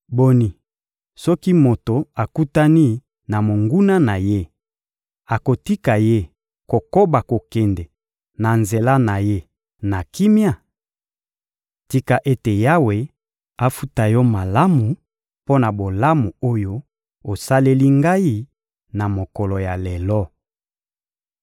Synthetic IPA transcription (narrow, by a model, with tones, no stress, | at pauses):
bo˦ni˨ | sɔ˦ki˦mo˨to˨a˨ku˦ta˦ni˦ | na˨mo˨ŋɡu˦na˦na˨je˦ | a˨ko˨ti˦ka˨je˦ | ko˨ko˦ba˨ko˨kɛ˨ndɛ˨ | na˨nze˨la˦na˨je˦ | na˨ki˦mja˦˨ | ti˦ka˨ʔe˦te˨ja˦we˨ | a˦fu˦ta˨jɔ˦ma˨la˦mu˨ | po˦na˨bo˨la˦mu˨o˦jo˦ | o˨sa˦le˦li˦ŋɡa˦i˦ | na˨mo˨kɔ˨lo˨ja˨lɛ˨lɔ˦